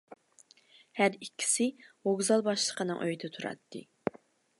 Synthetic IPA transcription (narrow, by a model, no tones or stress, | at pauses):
hæɾikʲːi̥sɪoɡzɑlˠbɑʃlˠə̥qʰənɨŋʔøjd̪ɛt̪ʰuɾɑ̰t̪ːɨ̰